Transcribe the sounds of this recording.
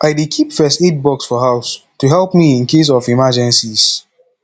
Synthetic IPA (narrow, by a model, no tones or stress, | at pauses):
ʔaɪdekʰipfɛstet̚bɔksfɔɦaʊstuɦɛlpmiĩnkes̬ɔfimad͡ʒɛ̃nsis